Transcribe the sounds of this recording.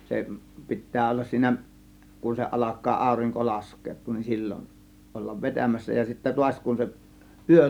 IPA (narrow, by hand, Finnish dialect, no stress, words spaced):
se pi̞tːæː olːɑs siːnæ kun se ʔɑlɑkˑɑː ɑˑo̝riŋko lɑskˑeːtˑuːn nin silʲːon olːɑʋ ʋetæmæsːæ jɑ sitːæ tuɑsʲ kun se ʔyø